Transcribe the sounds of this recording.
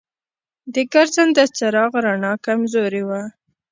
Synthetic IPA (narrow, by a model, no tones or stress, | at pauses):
d̪əɡaɾzand̪ət͡saɾɑɣɾanɑkamzoɾiwa